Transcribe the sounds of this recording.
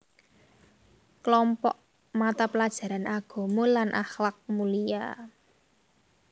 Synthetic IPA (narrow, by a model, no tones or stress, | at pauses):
klɔmpɔ̰ʔ | mat̪apəlad̥ʒ̥a̤ɾanʔaɡ̥ɔ̤molanʔa̰xlak̚mulija̰